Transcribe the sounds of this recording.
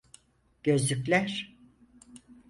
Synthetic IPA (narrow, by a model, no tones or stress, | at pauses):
ɟ̥ø̞zlʲycʲlʲæɾ̥